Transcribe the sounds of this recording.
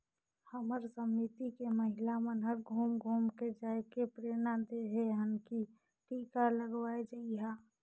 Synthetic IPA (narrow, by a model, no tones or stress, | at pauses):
həməɾsəmːit̪ikeməɦɪlamənɦəɾɡʱumɡʱuːmked͡ʒaːekepɾeːɾñad̪eɦeɦənki | ʈiːkaləɡwaːed͡ʒaiɦaː